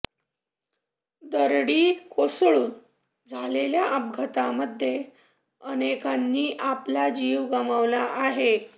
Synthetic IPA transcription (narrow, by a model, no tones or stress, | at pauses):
d̪əɾɽiːkosɭuːn | d͡zʱaleljaʔəb̚ɡʱət̪aməd̪ʱje | ənekanːiːʔaplad͡ʑiːʋɡəməʋlaʔaɦe